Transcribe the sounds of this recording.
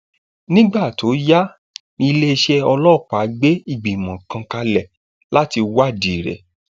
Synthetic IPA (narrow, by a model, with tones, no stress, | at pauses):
nĩ˦ɡ͡ba˦˨to˨˦ja˦ | nĩ˧le˦e˧ʃɛ˦ɔ˧lɔ˦˨k͡pa˨˦ɡ͡be˦i˨ɡ͡bi˨mã˨kã˧ka˧lɛ˨ | la˦ti˧wa˦˨di˨ɾɛ̰˨